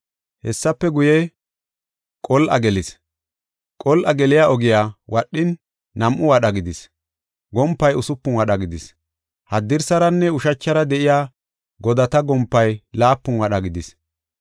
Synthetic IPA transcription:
hɛsːɐpːɛɡʊjɛ | kʼɔlʔɐ̰ɡɛlɪs | kʼɔlʔɐɡɛlɪjaʔɔɡɪjaːwɐɗːɪnː | ɐmʔʊwɐɗɐɡɪd̪ɪs | ɡɔmpːɐjʊsʊpːʊnwɐɗɐɡɪd̪ɪs | hɐd̪ːɪɾsɐɾɐnːɛʊʃɐt͡ʃːɐɾɐd̪ɛʔɪjaː | ɡɔd̪ɐt̪ɐɡɔmpːɐjlaːpːʊnwɐɗɐɡɪd̪ɪs

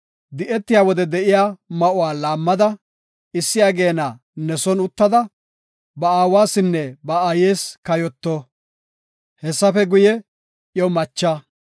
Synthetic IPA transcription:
d̪ɪʔɛt̪ːɪjaːwɔd̪ɛd̪ɛʔɪjaːmɐʔʊwaːlaːmːɐd̪ɐ | ɪsːɪjaːɡe̞ːna | nɛsɔnʊt̪ːɐd̪ɐ | bɐaːwaːsɪnːɛbɐajeːskɐjɔt̪ːɔ | hɛsːɐfɛɡʊjɛ | jɔwmɐt͡ʃːɐ

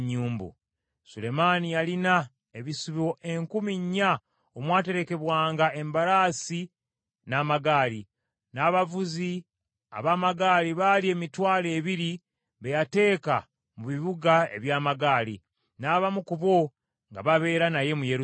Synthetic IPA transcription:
ɲːuːmbṵ | sule̞manijalina | e̞βisuβio̞ʔe̞ŋkumiɲːa | omwaːte̞ɾe̞ke̞βwaːŋɡae̞mbaɾaːsi | naːmaɡaːli | naːβavuzi | a̰βaːmaɡaːliβalie̞mitwaːle̞ːβiɾi | βe̞jate̞ːka | muβiβuɡae̞̰βjaːmaɡaːlḭ | naːβamukuβo̞ | ŋɡa̰βaβe̞ːɾanaje̞mujeɾ

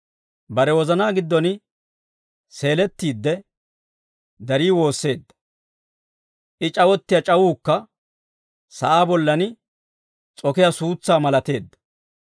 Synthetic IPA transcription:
bɐɾɛwɔzɐnaːɡɪd̪ːɔnɪ | se̞ːlɛt̪ːiːd̪ːɛ | d̪ɐɾiːwo̞ːsːe̞ːd̪ːɐ̥ | ʔɪt͡ʃʼɐwɔt̪ːɪjɐt͡ʃʼɐwuːkːɐ | sɐ̰ʔaːbɔlːɐnɪ | t͡sʼɔkɪjasuːt͡sːaːmɐlɐt̪e̞ːd̪ːɐ̥

